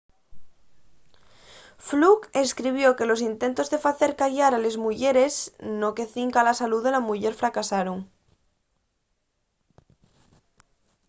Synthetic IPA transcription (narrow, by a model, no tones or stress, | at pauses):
flukeskɾiβ̞joke̞lo̞s̬int̪e̞nt̪o̞zðe̞faθe̞ɾkaʝaɾale̞zmuʝeɾe̞snoke̞θiŋkalasaluðelamuʝe̞ɾfɾakasaɾoŋ